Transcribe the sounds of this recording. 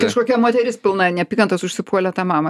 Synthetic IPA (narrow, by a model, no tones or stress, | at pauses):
kɐʃkoːkʲɛmoːt̪ʲɛɾʲɪspʲɪlˠnɐnʲɛpʲiːkɐnt̪ɐsʊʃʲsʲɪpuɔlʲɛt̪ɑːmɑːmɐ